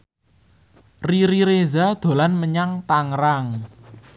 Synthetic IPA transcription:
riɾiɾezad̪̥o̤lanməɲaŋt̪aŋɾaŋ

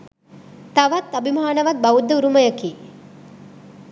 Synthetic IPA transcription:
t̪ɐʋat̪ɐbʱimaːnɐʋɐt̪̚bɐud̪ːɐuɾuməjəkiː

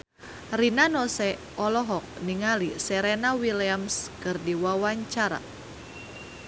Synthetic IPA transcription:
rinanɔsɛ | ɔlɔɦɔk̚niŋalisɛɾenawiliamskɨrdiwawaɲt͡ʃaɾa̰

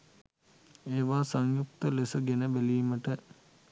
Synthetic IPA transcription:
eːʋaːsɐŋjuk̚t̪ɐlesɐɡenəbelijuməʈə

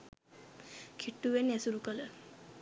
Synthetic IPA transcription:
kʰiʈːuʋenɛsuɾukələ

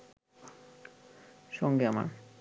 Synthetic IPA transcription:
ʃɔŋɡeama̰ɾ

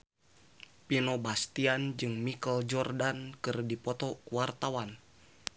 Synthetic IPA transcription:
pinɔbast̪iand͡ʒɨŋmikəld͡ʒɔrdankɨrdipɔt̪ɔkuwart̪awan

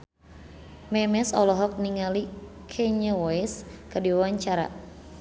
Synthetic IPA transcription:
mɛmɛsɔlɔɦɔk̚niŋali | kʰɛɲəwɔɛskɨrdiwawaɲt͡ʃaɾa̰

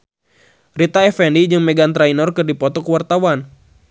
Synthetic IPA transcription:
rit̪aɛfɛndid͡ʒɨŋmɛɡant̪ɾainɔrkɨrdipɔt̪ɔkəwart̪awan

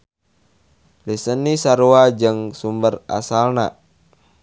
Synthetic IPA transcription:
lisənːisaɾuad͡ʒəŋsumbəra̰salna

